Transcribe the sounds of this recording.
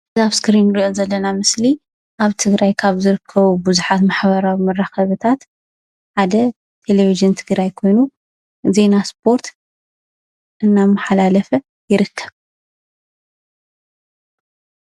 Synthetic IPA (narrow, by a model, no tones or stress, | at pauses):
zaβskɾinɾiozɐlːɐnamɨsli | ʔaβt̪ʰɨɡɾajkʰaβzɨɾɨkʰːɐβubuzuħat̪maħβɐɾawimɐrːaxɐβɨt̪ʰat̪ | ħad̪ɐ | t̪ʰe̞leβiʒɨnt̪ʰɨɡɾajkʰo̞jnu | ze̞naspʰo̞ɾt̪ | ʔɨnːamːaħalalɐfɐ | jɪɾɨkʰːɐβ